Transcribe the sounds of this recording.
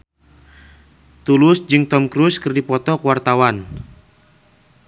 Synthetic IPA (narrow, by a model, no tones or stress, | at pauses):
t̪ulʊsd͡ʒɨŋt̪ɔmkɾuskɨrdipɔt̪ɔkuwart̪awan